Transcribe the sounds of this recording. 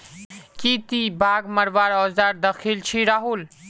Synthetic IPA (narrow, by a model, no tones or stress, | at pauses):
kit̪ibʱaːɡməɾʋaːɾɔːzd̪aːɾd̪əxʰilt͡ʃʰiɾaːɦuːl